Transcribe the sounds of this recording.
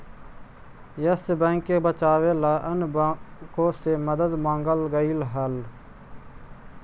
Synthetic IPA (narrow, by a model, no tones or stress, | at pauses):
jəsbɛ̃ːŋkebət͡ʃaːʋeːlaːʔənbkõːseməd̪əd̪mãːŋɡəlɡəilɦəl